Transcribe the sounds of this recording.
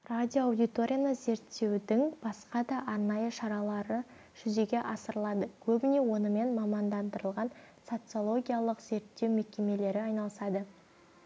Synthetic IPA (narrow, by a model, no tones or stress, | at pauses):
rad̪ʲijoɑwd̪ʲijt̪o̞ɾʲijanəze̞ɾt̪ʰːe̞wd̪ɪŋb̥ɑsqɑd̪ɑʔɑɾnɑjəʃɑɾɑlˠɑɾə | ʒ̥ʏze̞ɡʲe̞ʔɑsəɾəlˠɑd̪əkʲʰɵbɪne̞wo̞nəme̞nmɑmɑnd̪ɑnd̪əɾəlˠʁɑn | so̞t̪sɨo̞lˠo̞ɡʲijalˠəqz̥e̞ɾt̪ːe̞wmekʲe̞me̞le̞ɾɪɑjnɑlˠəsɑd̪ə